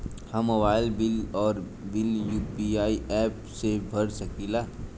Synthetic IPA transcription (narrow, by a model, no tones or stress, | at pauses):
həmːobaːɪlbɪlɔːɾ | bɪljuːpiaːiɛːpsebʱəɾsəkilaː